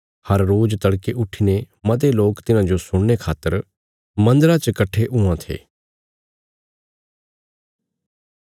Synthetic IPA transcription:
hɐɾːoːd͡ʒt̪ɐɽkeʔʊʈʰːine | mɐt̪̬eloːkt̪ɪnãd͡ʒosʊɽ̃nekʰaːt̪ːəɾ | mɐ̃nd̪əɾat͡ʃəkɐʈʰːeʔʊãt̪ʰḛː

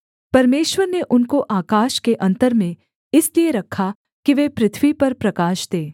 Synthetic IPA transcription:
pɐɾmeːʃʋəɾneʔʊnkoʔaːkaːʃkeʔɐ̃nt̪əɾmẽ | ɪslieɾɐkʰːa | kiʋeːpɾɪt̪ʰʋipɐɾpɾɐkaːʃd̪eː

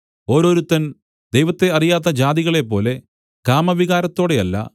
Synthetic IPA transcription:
o̞ːɾo̞ːɾut̪ːɐn | d̪ejʋɐt̪ːe̞ɐrijaːt̪̬ːɐd͡ʑaːd̪iɣɐɭe̞p̬ːo̞ːle̞ | kaːmɐbʱiɣaːɾɐt̪ːo̞ːɽe̞ɐlːɐ̰

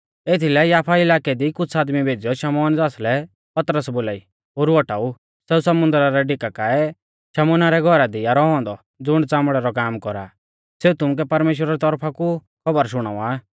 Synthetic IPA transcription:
eːt̪ʰilɛjaːpʰaɪlaːkɛd̪ikʊt͡sʰaːd̪mibʱeːd͡zijɔʃɐmɔːnd͡zaːslɛ | pɐt̪ɾəsboːlaːi | oːɾuɔʈaːu | sɛːusɐmʊ̃nd̪ɾaɾɛɖɪkakaːɛ | ʃɛmɔːnaɾɛɡʱɔɾad̪ijaɾɔɦɔ̃ːnd̪ɔ | d͡zʊɽ̃t͡sãːmɽɛɾɔkaːmkɔɾa̰ | seut̪ʊmʊk̬ɛpɐɾmeːʃ̬wɾaɾɛt̪ɔɾpʰaku | kʰɔbəɾʃʊɽ̃a̰uaː

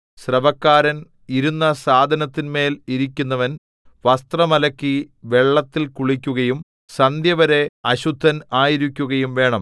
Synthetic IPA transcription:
srɐbɐkːaːɾɐn | iɾunːɐsaːd̪ʱɐnɐt̪ːinme̞ːliɾikʲːunːɐʋɐn | ʋɐst̪rɐmɐlɐkʲːiʋe̞ɭːɐt̪ːilkuɭikʲːuɣɐjum | sɐnd̪ʱjɐʋɐɾe̞ɐɕud̪ʱːɐnaːjiɾikʲːuɣɐjumʋe̞ːɳɐm

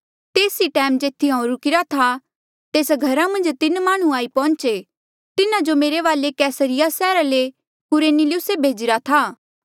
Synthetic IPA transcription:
t̪eːsiʈɛːmd͡ʒeːt̪ʰiɦãːɾukɪɾat̪ʰa | t̪eːsɡʱɐɾamɐ̃nd͡ʒt̪ɪnmaːɽ̃ũaːipɔ̃ːnt͡ʃe | t̪ɪnad͡ʒomeːɾeʋaːlekɛːsəɾɪjasɛːɾale | kʊɾeːnilɪʊsebʱeːd͡ʒɪɾat̪ʰaː

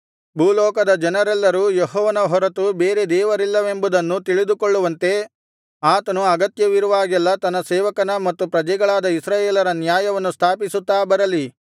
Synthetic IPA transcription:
buːlɔːkɐd̪ɐd͡ʒɐnɐɾɛlːɐɾujeɦɔːʋɐnɐɦɔɾɐt̪ubeːɾe̞d̪ɛːʋɐɾilːɐʋe̞mbud̪ɐnːut̪iɭid̪ukoɭːuʋɐnt̪e̞ | aːt̪ɐnuɐɡɐt̪jɐʋiɾuʋaːɡɛlːɐt̪ɐnːɐsɛːʋɐkɐnɐmɐt̪ːupɾɐd͡ʒɛɡɐɭaːd̪ɐisɾaːjeːlɐɾɐnjaːjɐʋɐnːust̪ʰaːpisut̪ːaːbɐɾɐli

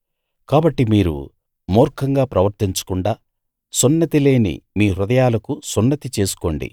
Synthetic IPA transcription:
kaːbɐʈːimiːɾṵ | mɔːɾkʰɐŋɡaːpɾɐʋɐɾt̪iɲt͡ʃɐ̥kuɳɖaː | sunːɐt̪ile̞ːnḭmiːɾud̪ɐjaːlɐkusunːɐt̪it͡ʃe̞ːsu̥ko̞ːɳɖḭ

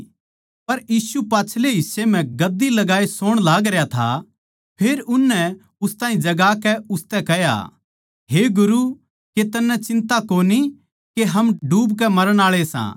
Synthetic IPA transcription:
pɐɾjiːsupaːt͡ʃʰleɦɪsːem̤ɛ̃ɡɐd̪ːilɐɡaːesoːɽ̃laːɡɾɐjat̪ʰa̰ | pʰeːɾʊnːɛ | ʊst̪aːĩd͡ʒɐɡaːkɛʊst̪ɛkɛja̰ | ɦeɡʊɾu | ket̪ɐnːɛt͡ʃɪ̃nt̪akoːni | keɦɐmɖuːbkɛmɐɾəɽ̃aːɭesã̰ː

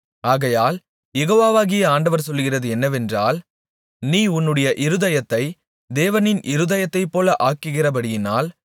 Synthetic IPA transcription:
aːɣɐjaːl | jɛɣoːʋaːʋaːɣɪjɐaːɳɖɐʋɐɾsɔlːɯɣɪrɐðɯɛnːɐʋɛndraːl | niːʊnːɯɽɐjɐʔɪɾɯðɐjɐt̪ːɐɪ | d̪eːʋɐnɪnʔɪɾɯðɐjɐt̪ːɐɪpːoːlɐʔaːkːɯɣɪrɐpɐɽɪjɪnaːl

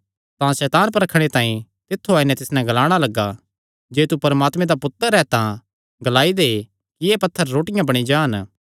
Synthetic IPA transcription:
t̪ãsɛːt̪aːnpɐɾɐkʰɽ̃et̪ãːĩ | t̪ɪt̪ʰːoaːinɛ̃t̪ɪsnɛ̃ɡɐlaːɽ̃alɐɡːa | d͡ʒeːt̪upɐɾmaːt̪mẽd̪apʊt̪ːəɾɛt̪ã | ɡɐlaːid̪e | kieːpɐt̪ʰːəɾːoːʈɪjãbɐɽ̃id͡ʒaːn

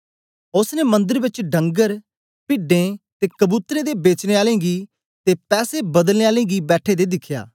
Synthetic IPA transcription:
ʊsneːmə̃nd̪əɾʋɪt͡ʃɖʱə̃ŋɡəɾ | pɪɖẽːt̪eːkəbuːt̪ɾẽːd̪eːbeːt͡ʃnẽːaːlẽːɡiː | t̪eːpɛːseːbəd̪əlneːaːlẽːɡiːbɛːʈʰeːd̪eːd̪ɪkʰːja̰ː

